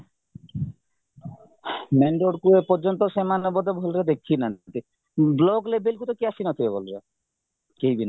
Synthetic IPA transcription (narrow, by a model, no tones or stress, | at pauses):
meɳɖoɽkuepɔɾd͡ʒɔnt̪ɔsemanɔbɔd̪ebʱolɾed̪ekʰinat̪i | blɔɡlebelkut̪ɔkiasinɔt̪ʰibebolɾe | kejbina